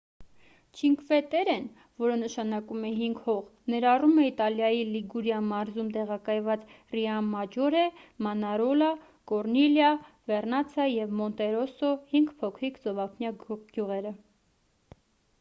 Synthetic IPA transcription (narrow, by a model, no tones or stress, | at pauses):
t͡ʃʰiŋkvɛt̪ɛɾɛn | vɔɾənəʃɑnɑkumɛɦiŋɡhɔʁnɛɾɑrumɛit̪ɑljɑjiliɡuɾjɑnmɑɾzumt̪ɛʁɑkɑjvɑt͡s | riɑmːɑd͡ʒɔɾɛmɑnɑɾɔlɑ | kɔɾniljɑvɛrnɑt͡sʰɑjɛvmɔnt̪ɛɾɔsɔhiŋɡpʰɔkʰɾikd͡zɔvɑpʰnjɑɡ̥juʁɛɾə